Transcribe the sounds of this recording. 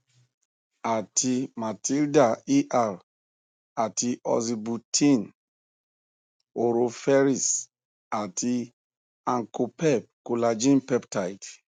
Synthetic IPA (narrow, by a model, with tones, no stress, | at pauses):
a˨tʰi˧ma˨ti˦lda˨i˦ʔa˨l | a˨ti˧ʔɔ̰˨zi˨bu˨tʰi˦n | o˨ɾo˧fɛ˦ɾi˨s | a˨ti˧ | ã˨ŋko˨pɛ˦p̚ku˨la˨d͡ʒĩ˦npɛ˦pta˨jt